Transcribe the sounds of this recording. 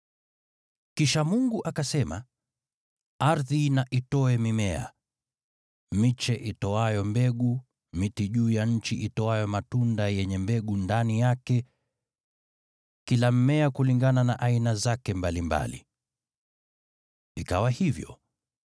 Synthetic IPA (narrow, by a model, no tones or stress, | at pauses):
kiʃamuŋɡuʔakasɛma̰ | aɾðinaʔitɔɛmimɛa̰ | mit͡ʃɛʔitɔajɔmbɛɠu | mitiʄuːjaɲ̩t͡ʃiʔitɔajɔmatundajɛɲɛmbɛɠundanijakɛ | kilam̩mɛakuliŋɡananaʔainazakɛmbalimba̰lḭ | ikawahivjɔ̰